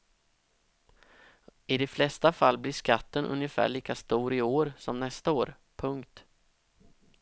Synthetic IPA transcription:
ɪd̪ɛflɛst̪afalːblɪʂkat̪ːənʔɵ̰njəfæ̰ːɭiːkast̪uːɾɪoːɾsɔmnɛst̪aoːɾ | pʰɵŋkt̪

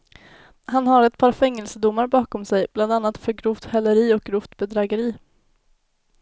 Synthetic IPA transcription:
hanɦaɾɛt̪̚pʰɑːɾfɛŋːɛlsəd̪ʊmːaɾbɑːkɔmsɛjb̥land̪anːat̪fœɾɡɾʊft̪hɛlːəɾiːɔk̚ɡɾʊft̪bɛd̪ɾɑɡəɾiː

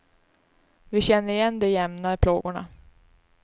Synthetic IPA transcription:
vɪɕɛnːəɾɪjɛnːd̪ɛjɛmnaɪpʰloːɡʊɳa̰

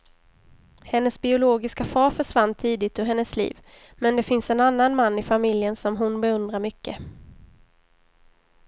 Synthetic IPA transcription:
hɛnːəsbɪʊloːɡɪskafɑːɾfœʂvanːt̪ʰiːd̪ɪt̪ɵɦɛnːəslḭːv | mɛnd̪ɛfɪnsɛnanːanmanːɪfamɪljənsɔmɦʊnbɛɵnd̪ɾaɾmʏkːə

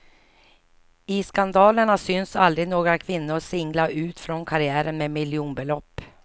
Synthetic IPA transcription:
ɪskand̪ɑːləɳasʏnsald̪ɾɪɡnoːɡɾakʰvɪnːʊɾsɪŋlaʔʉ̟ːt̪fɾɔnkʰaɾɪæːɾənmeːmɪljuːnbɛlɔpː

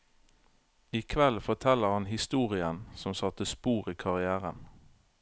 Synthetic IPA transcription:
iːkʰʋɛlfɔt̪ʰɛləʁhɑnhɪst̪uːʁɪənsɔmsɑt̪əspuːʁiːkʰɑʁɪæːʁən

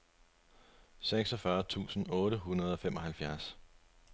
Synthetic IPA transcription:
seɡ̥sɒfɶɐt͡sʰṵːsn̩ɔ̽ːɾəɦunɐð̞ˠɒ̽femɒ̽ɦælfjæɐs

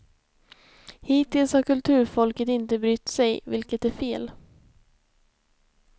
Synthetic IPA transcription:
hiːt̪ːɪlshaɾkɵlt̪ʰʉ̟ːɾfɔlkət̪ɪnt̪əbɾʏt̪ːsɛjvɪlkət̪æɾfeːl

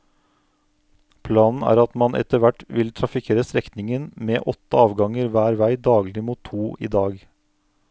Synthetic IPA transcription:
pʰlɑːnn̩æ̰ːɾɑt̪mɑnʔɛ̰t̪əʋæʈʋɪlt̪ʰɾɑfɪkʰeːɾəst̪ɾɛkt̪nɪŋənmeːʔɔt̪ːəɑːʋɡɑŋəɾʋæːɾʋæɪd̪ɑːɡlɪmuːt̪ʰːuːʔḭːd̪ɑːɡ

